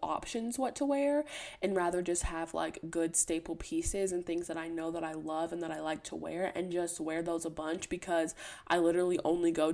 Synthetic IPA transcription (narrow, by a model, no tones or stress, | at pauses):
ɑ̰pʃɨ̃nzwʌtʰəwɛɹɨ̃nɹæðə˞d͡ʒʌst̚həv̥la̰ɪkɡ̥ʊd̥steɪpl̩ˠpʰisɪzɨ̃nθɪ̃ŋzðəɾaɪnoʊðəɾaɪlʌvɨ̃nðəɾaɪlaɪk̚tʰə̰wɛ̰ɹɨ̰̃nd͡ʒʌst̚wɛɹðoʊzəbʌ̃nt͡ʃb̥ɨkʰʌzʔa̰ɪlɪɾə˞l̩ˠiʔõ̰ʊ̃nliɡoʊ